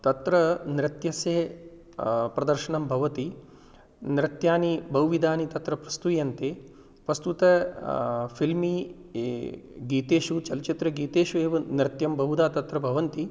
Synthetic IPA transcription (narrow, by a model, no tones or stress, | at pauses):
t̪ɐt̪ɾɐnɾɪt̪jɐseː | pɾɐd̪ɐɾʃɐɳɐmbʱɐʋɐt̪i | nɾɪt̪jaːnibɐwʋid̪ʱaːnit̪ɐt̪ɾɐpɾɐst̪ujɐnt̪eː | pɾɐst̪ut̪ɐ | pʰilmiː | ɡiːt̪eːʃut͡ʃɐlɐt͡ʃit̪ɾɐɡiːt̪eːʃueːʋɐnɾɪt̪jɐmbʱɐɦud̪aːt̪ɐt̪ɾɐbʱɐʋɐnt̪i